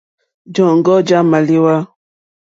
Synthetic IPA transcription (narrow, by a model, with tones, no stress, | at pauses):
d͡ʒɔ˨ŋ̩˦ɡɔ˦d͡ʒa˦ma˨li˦wa˦